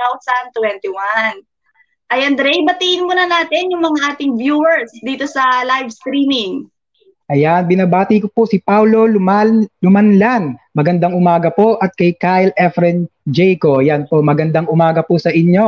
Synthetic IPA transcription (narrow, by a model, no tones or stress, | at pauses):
awsɐnt̪wɛnt̪ɪwan | ʔɐjɐnd̪ɾɛjbɐt̪iʔɪnmʊnɐnaːt̪ɛnjʊŋmɐŋaʔaːt̪ɪŋvjuːwɛɹsd̪iːt̪o̞sɐlajvst̪ɾiːmɪŋ | ʔɐjanbɪnabaːt̪ikopoʔsɪpawlo̞lʊmalʊmɐnlanmɐɡɐnd̪aŋʔʊmaːɡɐpo̞ʔɐt̪̚kɐjkajlʔɛfɾɛnd͡ʒɛjkojɐnpo̞ʔmɐɡɐnd̪aŋʔʊmaːɡɐpʊsɐʔɪɲːo̞